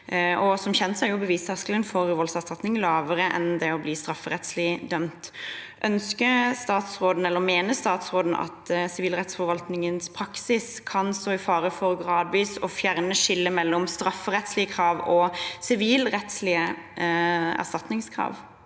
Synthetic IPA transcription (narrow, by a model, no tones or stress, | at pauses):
ʔɔsɔmçɛnt̪sɛɪjʊbəʋiːst̪ʰɑskələnfɔɾʋɔlsæʁst̪ɑt̪nɪŋlɑːʋəɾəʔɛ̰nd̪ɛɔbliːst̪ɾɑfːəɾɛt̪slɪd̪œmt̪ʔœnskəst̪ɑːt̪sɾoːd̪n̩ɛlːəɾmeːnəst̪ɑːt̪sʁoːd̪n̩ɑ̰t̪sɪʋiːlʁɛt̪sfɔɾʋɑlt̪nɪŋənspʰɾɑksɪskʰɑnsɔɪfɑːɾəfɔʁɡʁɑːd̪ʋiːsɔfjæʁnəʂɪlːəmɛlːɔmst̪ɾɑfːəʁɛt̪slɪəkʰɾɑːʋɔsɪʋiːlɾɛt̪slɪə | æ̰ʁst̪ɑt̪nɪŋskʰʁɑ̰ːʋ